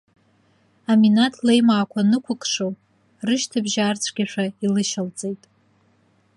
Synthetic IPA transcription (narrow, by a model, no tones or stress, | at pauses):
aminatʰlejmaːkʷʰanɨkʷʰʊkʼʰʂow | rɨʃtʰabʒaːrt͡sʷʰɡʲaʂailɨʃalt͡sʼejtʼ